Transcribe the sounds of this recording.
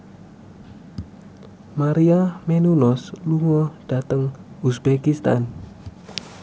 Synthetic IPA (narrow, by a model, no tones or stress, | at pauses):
maɾiamenunɔsluŋɔɖ̥a̤t̪əŋ | usb̥ekist̪a̰n